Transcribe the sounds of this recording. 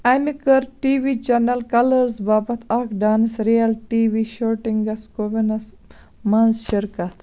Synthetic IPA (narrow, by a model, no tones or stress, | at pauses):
ɐjmikɐɾʈiːʋiːt͡ʃɐnɐlkɐlɐɾzbaːbɐt̪ʰɐkɖaːnɐsɾijɐlʈiːʋiːʃoɾʈiŋɡɐskoʋinɐs | mɐnzʃiɾkɐt̪